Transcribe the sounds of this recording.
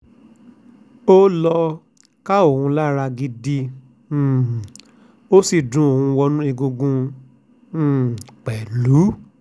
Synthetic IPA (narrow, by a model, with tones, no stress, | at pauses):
o˦lɔ˧ | ka˦o˨hũ˧la˦ɾa˧ɡi˧dĩ˧˨ | o˦si˨dũ˨˦o˨hũ˧wɔ˧nũ˦i˧ɡũ˧ɡũ˧˨ | k͡pɛ˨lu˨˦